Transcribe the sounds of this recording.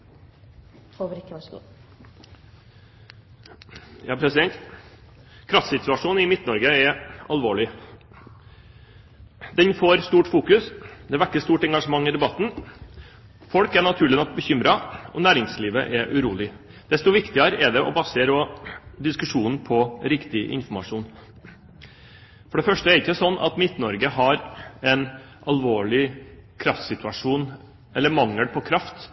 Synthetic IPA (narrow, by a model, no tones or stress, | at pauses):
jɑːpʰɾɛsɪd̪ɛnt̪ | kʰɾɑft̪sɪt̪ʉɑʂuːnɪmɪt̪nɔɾɡəɛɑlʋoːɭɪ | d̪ɛnfoːɾst̪uːʈfuːkʉsd̪ɛʋækːəst̪uːʈɛŋɡɑʂəmɑŋːɪd̪ɛbɑt̪ːn̩ | fɔlkæɳɑt̪ʰʉːɭɪnɔk̚bəçʏmɾɑɔnæːɾɪŋsliːʋə̰ʔɛʔʉɾuːlɪ | d̪̥ɛst̪ɔʋɪkt̪ɪəɾɛɖɛʔɔ̰bɑseːɾɔd̪ɪskʉʂuːnn̩pʰɔɾɪkt̪ɪʔɪ̰nfɔmɑʂuːn | fɔɖɛfœʂʈəæɾɪkːəsɔnːʔɑ̰t̪mɪt̪nɔɾɡəɦɑɾɛn | ʔɑlʋoːɭɪkʰɾɑft̪sɪt̪ʉɑʂuːn | ɛlːəmɑŋːəɽpʰɔkʰɾɑft̪